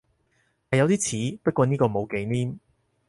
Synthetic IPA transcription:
hɐ˨jɐ˨˧wt̪iː˥t͡sʰiː˨˥pɐ˥t̚kɔː˧niː˥kɔː˧mo˨˧wke˨˧jniː˥m

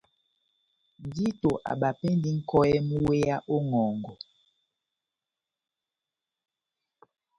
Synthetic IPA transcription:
n˨di˦to˨ʔa̰˨ɓa˨pɛ˦ndi˦ŋ̩˦kɔ˦ɛ˦mu˦we˦ja˦ʔo˦ŋɔ˨ŋɡɔ˨

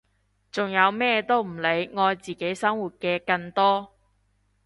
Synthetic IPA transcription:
t͡sʊ˨˩ŋjɐ˨˧wmɛː˥t̪o˥wm̩˨˩le˨˧jŋɔː˧jt͡siː˨ke˨˥jsɐ˥ŋwuː˨t̚kɛː˧kɐ˧ŋt̪ɔː˥

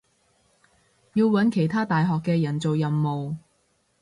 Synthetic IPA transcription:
jiː˧wwɐ˨˥nkʰe˨˩jt̪ʰaː˥t̪aː˨jɦɔː˨kːɛː˧jɐ˨˩nt͡so˨wjɐ˨mːo˨w

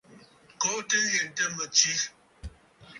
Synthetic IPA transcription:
kɔ˨˦tə˦jɛ˨n˨tə˦mə˨t͡ʃi˦

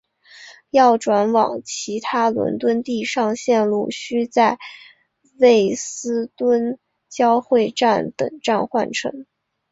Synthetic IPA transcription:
jɑ˥˩ʊʈ͡ʂwa˧˥nwɑ̰˨˩ŋt͡ɕʰi˧˥t̪ʰa˥lwə̰˧˥nt̪wə˥nt̪i˥˧ʂɑ˥˧ŋɕjɛ˥˧nlu˥˩ɕy˥t͡sa˥˧ɪ | we˥˩ɪsɹ̩˥t̪wə˥n | t͡ɕjɑ˥ʊxwe˥˧ɪʈ͡ʂa˥˩nt̪ɤ̰˨˩ŋʈ͡ʂa˥˧nxwa˥˩nʈ͡ʂʰɤ̰˧˥ŋ

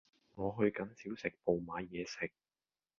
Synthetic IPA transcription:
ŋɔː˨˧ɦɵ˧ɥkɐ˨˥nsiː˨˥wsɪ˨k̚po˨wmaː˨˧jɛː˨˧sɪ˨k̚

